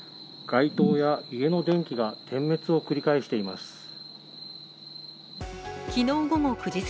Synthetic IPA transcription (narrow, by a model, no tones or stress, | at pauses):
ɡ̥ait̪o̞ːjaie̞no̞d̪ẽ̞ŋkʲiɡat̪ʰẽ̞mːe̞t͡sɨo̞kɯ̟ɾʲikaeɕi̥t̪e̞imasɨ̥ | kʲino̞ːɡo̞mo̞kɯ̟d͡ʑi